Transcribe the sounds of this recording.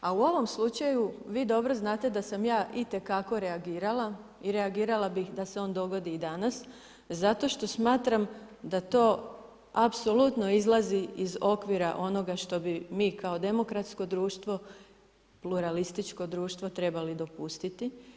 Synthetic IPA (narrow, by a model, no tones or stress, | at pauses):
auo̞ʋo̞mslut͡ʃajuʋiːd̪o̞bɾo̞znaːt̪e̞d̪asamjaːʔit̪e̞kako̞ɾe̞aɡiːɾala | iɾe̞aɡiːɾalˠabixd̪aseo̞ːnd̪o̞ɡo̞d̪iːd̪anas | zat̪o̞ʃt̪o̞smaːt̪ɾamd̪at̪o̞ː | apso̞lut̪no̞izlˠaziizo̞kʋiɾaʔo̞no̞ɡaʃt̪o̞bimiːkao̞d̪e̞mo̞kɾat̪sko̞d̪ɾuːʃt̪ʋo̞ | pluɾalist̪it͡ʃko̞d̪ɾuːʃt̪ʋo̞t̪ɾe̞balid̪o̞pust̪it̪i